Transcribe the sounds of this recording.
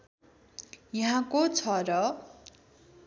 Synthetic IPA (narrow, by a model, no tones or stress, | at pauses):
jʌɦãkot͡sʰʌɾʌ